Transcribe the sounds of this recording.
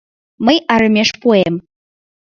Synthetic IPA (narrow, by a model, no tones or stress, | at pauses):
mɨjʔaɾɨmʲeʂpʰʼuem